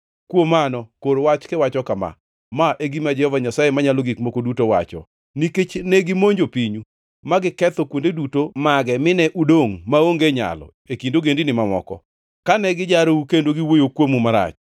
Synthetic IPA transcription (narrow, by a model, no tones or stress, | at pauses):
kwomanɔkoɾwat͡ʃkewat͡ʃɔkama̰ | maʔeɡimad͡ʒɛhɔvaɲasajemaɲaloɡikmokodutowa̰t͡ʃɔ̰ | niket͡ʃnɛɡɪmoɲd͡ʒopiɲu | maɡɪkɛt̪ɔkwondedutomaɡɛmɪnɛʔudoŋmaoŋɡeɲa̰lɔ̰ | ekindoɡendinɪmamɔ̰kɔ̰ | kanɛɡɪd͡ʒaɾoukendoɡɪwojokwomumaɾa̰t͡ʃ